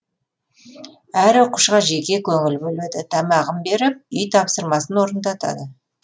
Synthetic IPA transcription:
æɾoquʃqɑʒe̞kʲe̞kʲʰɵŋɪlbɵled̪ɪt̪ʰɑmɑʁəmbe̞ɾɪp̚ʏjt̪ʰɑpsəɾmɑsənwo̞ɾənd̪ɑt̪ɑ̰d̪ə

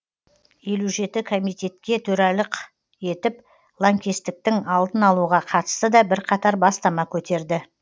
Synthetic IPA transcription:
je̞luʒe̞t̪ɪkʰo̞mijt̪ʲe̞t̪kʲe̞t̪ʰɵɾɑlɪq | je̞t̪ɪp | lˠoŋkʲe̞st̪ɪk̚t̪ɪŋɑlˠd̪ənɑlˠuʁɑqʰɑt̪ə̥st̪əd̪ɑbɪɾqʰɑt̪ɑɾbɑst̪ɑmɑkʲʰɵt̪e̞ɾd̪ɪ

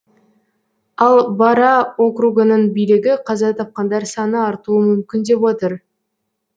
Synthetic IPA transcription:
ɑlˠbɑɾɑo̞kruɡənəɴbijlɪɡʲɪqʰɑzɑt̪ʰɑp̚qɑnd̪ɑɾsɑnəɑɾt̪uəmʏmkʲɪnd̪e̞pwo̞t̪əɾ

